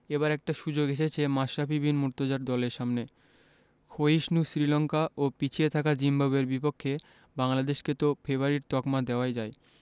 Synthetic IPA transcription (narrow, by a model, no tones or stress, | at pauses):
eβaɾɛk̚ʈaʃud͡ʑoɡeʃet͡ɕʰemaʃːapibinmuɾt̪od͡ʑaɾd̪ɔleɾʃamne | kʰoiʃnusɾilɔŋkaʔopit͡ɕʰiet̪ʰakad͡ʑimbaβeɾbipokʰːe | baŋlad̪eʃket̪ofʰeβaɾiɾt̪ɔkmad̪eoajd͡ʑae